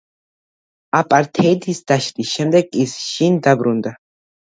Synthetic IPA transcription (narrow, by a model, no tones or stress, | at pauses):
apʼaɾt̪ʰɛd̪isd̪̥aʃɾʼisʃɛmd̪ɛɡisʃind̪abɾund̪a